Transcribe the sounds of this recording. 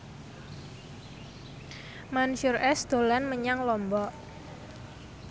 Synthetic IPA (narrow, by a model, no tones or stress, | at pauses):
manuʃʊrɛsd̪̥o̤lanməɲaŋlɔmbɔʔ